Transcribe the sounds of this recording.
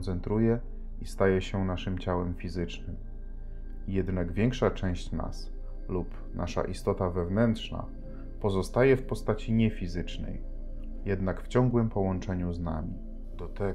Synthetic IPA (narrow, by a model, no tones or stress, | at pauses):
nt̪sɛnt̪ɾujɛ | ist̪ajɛɕɛnaʂɘmt͡ɕawɛmfʲizɘt͡ʂnɘm | jɛd̪naɡvʲjɛŋkʂat͡ʂɛ̃w̃ɕt͡ɕna̰s | lup | nʔa̰ʂa̰ʔist̪ɔt̪avɛvnɛnt̪ʂna̰ | pɔzɔst̪ajɛfpɔst̪at͡ɕiɲɛfʲizɘt͡ʂnɛ̰j | jɛd̪nakft͡ɕɔŋɡwɘmpɔwɔnt͡ʂɛɲuzna̰mʲi | d̪̥ɔt̪ɛ